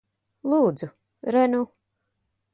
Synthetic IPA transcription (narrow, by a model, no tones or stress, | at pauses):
lˠuːd̪zu | ɾɛnu